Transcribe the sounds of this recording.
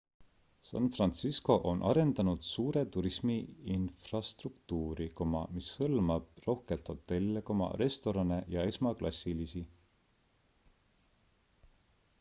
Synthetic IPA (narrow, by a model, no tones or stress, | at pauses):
sɑ̰nfrɑnt̪sisko̞ʔo̞nʔɑɾe̞nd̪ɑnud̪̥suːɾe̞t̪uɾismiinfrɑst̪rukt̪uːɾiko̞mɑ̰mishɤlmɑb̥̚ro̞hke̞lt̪ho̞t̪ːe̞lːekomɑ̰ɾe̞st̪o̞ɾɑne̞jɑe̞smɑklʔɑsʲːilisi